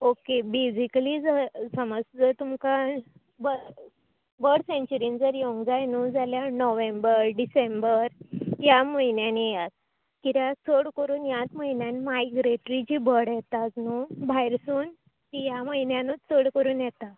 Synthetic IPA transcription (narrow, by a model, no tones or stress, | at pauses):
okebesiklid͡zəsəməst͡sət̪umka | bə | bəɽsẽɲt͡ɕuɾind͡zəɾjoŋɡd͡zajnuːd͡zaljanɔʋẽmbəɾɖisẽmbəɾjaməjnjanijat̪̚ | kiɾjat͡sʰəɽkəɾuːnjat̪məɦinjanimajɡɾeʈɾit͡ɕiːbəɽjɛt̪ad͡znubʱajɾsuːn | t̪ijaməinjanot͡sʰəɽkəɾuːnjɛt̪a